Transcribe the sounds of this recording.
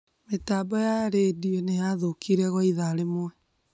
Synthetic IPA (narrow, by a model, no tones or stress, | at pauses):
metaːbɔjaɾedienejaðokiɾɛɣɔiðaɾemwɛ